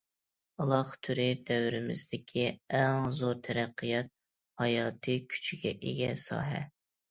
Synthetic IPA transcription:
ɑlˠɑχt̪ʰyɾɪd̪ɛwɾɪmɪzd̪ɪkʲʰiɛŋzoɾt̪ʰɛɾɛqʰːijɛt̪̚ | hɑjɑːt̪ʰɨkʲʰy̥t͡ʃʰiɡʲɛ̰ʔeɡʲɛ̰sɑ̰ːɦɛ̰

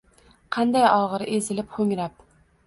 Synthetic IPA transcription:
qʰɑnd̪ajɒʁɨɾʔezɪlɪpχɵŋɾap̚

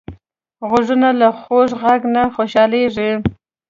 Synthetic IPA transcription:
ɣʊʐunalaxoʂɣaɡnaxoʃɑleʐi

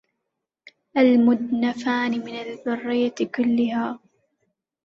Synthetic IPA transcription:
ʔalmʊd̪nafaːnɪmɪnalðʊrːɪjakʊlːɪhaː

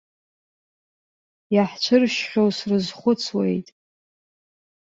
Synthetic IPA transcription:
jaħt͡ʃʷʰɨrʃχʲowsrɨzχʷʊt͡sʰwḛjtʼ

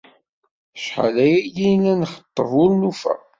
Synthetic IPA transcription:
ʃħə̰læjæjilænχə̥t̪ˤːəvʊlnufæ̰

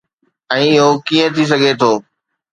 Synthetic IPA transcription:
ɛ̃ːɪɦokiːə̃t̪ʰis̬əɡʱet̪ʰoː

